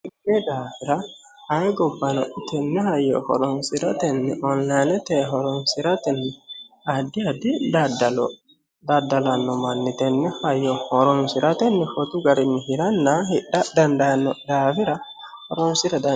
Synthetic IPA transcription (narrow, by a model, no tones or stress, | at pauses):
ɪdɛd̪aːfɪɾɐ | hajɡɔbːɐnɔt̪ɛnːɛɦɐjːɔ̰hɔ̰ɾɔnsɪɾɐt̪ɛnːɪʔɔnlajnɛt̪ɛɦɔɾɔnsɪɾat̪ɛnːɪ | ɐd̪ːɪad̪ːɪd̪adɐlɔ | d̪ad̪ːɐlɐnːɔmɐnːɪt̪ɛnːɛhɐjːɔhɔɾɔnsɪɾat̪ɛnːɪfɔt̪ʊɡɐɾɪnːɪɦɪɾɐnːahɪɗad̪ɐnd̪anːɔd̪aːfɪɾɐ | hɔɾɔnsɪɾɐd̪ɐ